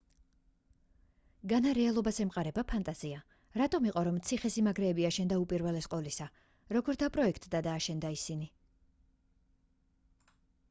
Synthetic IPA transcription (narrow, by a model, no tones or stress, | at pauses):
ɡanaɾɛalˠɔbasɛmqʼaɾɛbapʰant̪ʼaz̥ia | ɾat̪ʼɔmiqʼɔɾɔmt̪sʰiχɛsimaɡɾɛːbiaʃɛnd̪aupʼiɾvɛlɛsqʼɔlisa | ɾɔɡɔɾd̪apʼɾɔɛkʰt̪ʼd̪ad̪aːʃɛnd̪aisini